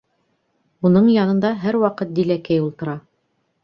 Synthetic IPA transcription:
unɤɴjɑnɤ̆nd̪ɑɦæɾwɑqɤt̪̚d̪ilækæjulˠt̪ɤ̆ɾɑ

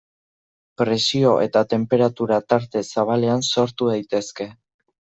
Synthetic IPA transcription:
pɾe̞sio̞ʔe̞̰t̪at̪e̞mpe̞ɾat̪uɾat̪aɾt̪e̞saβ̞ale̞anso̞ɾt̪uðajt̪e̞ske̞

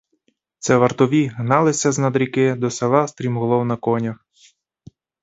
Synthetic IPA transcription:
t̪sɛʋɐrt̪ɔʋʲiɦnɑlˠɪsʲɐznɐd̪ɾʲikɪd̪ɔsɐʋɑst̪ɾʲimɦɔlˠɔwnɐkɔnʲɐx

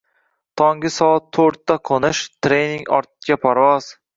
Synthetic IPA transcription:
t̪ʰɒŋɡɪsɒat̪ʰːoɾt̪ʰːaqʰonɪʃt̪ʰɾejniŋɒ̰ɾt̪̚ɡʲapʰaɾvɒz̥

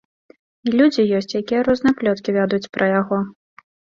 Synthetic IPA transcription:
ilʲud͡zʲijɔsʲt͡sʲjakʲijɐɾɔznɨjɛplʲɔt̪kʲivʲad̪ut͡sʲpɾʔɐjaɣɔ

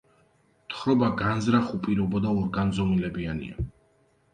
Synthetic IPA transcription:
t̪ʰχɾɔbaɡanzɾaχupʼiɾɔbɔd̪aɔɾɡanzɔmilɛbianḭa̰

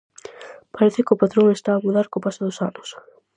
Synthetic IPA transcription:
paɾeθekopat̪ɾoŋest̪aːmuðaɾkopasoðʊsanʊs

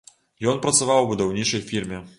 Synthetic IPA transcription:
jɔnpɾɐt̪savawbud̪awnʲit͡ʂɐjfʲirmʲɛ

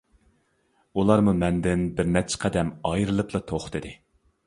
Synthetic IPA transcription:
ulˠɑɾmumɛnd̪ɪnbɪɾnɛt͡ʃʰːɛ̥qʰɛd̪ɛmɑjɾɨlˠɨplˠɑt̪ʰoχt̪ʰɨd̪ɨ

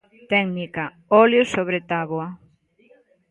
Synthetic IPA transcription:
t̪ɛŋnika | ɔljosoβɾet̪aβwa

